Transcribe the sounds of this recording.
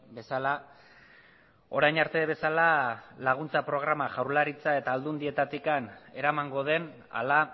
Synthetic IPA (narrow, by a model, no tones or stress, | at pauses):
be̞sala | o̞ɾajnaɾt̪e̞βe̞salalaɣ̞unt͡sapɾo̞ɣ̞ɾamaʝawɾlaɾit͡sae̞t̪aːld̪und̪ie̞t̪at̪ikane̞ɾamaŋɡo̞ð̞e̞n | a̰la